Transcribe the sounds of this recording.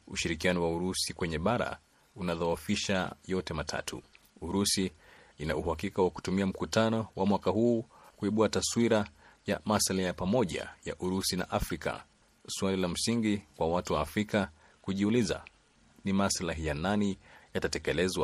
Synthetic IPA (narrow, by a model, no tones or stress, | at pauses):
uʃiɾikianɔwauɾusikwɛɲɛɓaɾa̰ | unaðawafiʃa̰jɔtɛmatʰa̰tʰṵ | uɾusi | inauhakikawaku̥tumiam̩kutanɔwamwakahuːkuiɓuataswiɾa | ja̰masalajapamɔʄa̰ja̰ʔuɾusina̰ʔafɾika̰ | swalilam̩siŋɡikwawatuwaːfɾika | kuʄiuliza̰ | nimaslaɦijananijatatɛkɛlɛzwa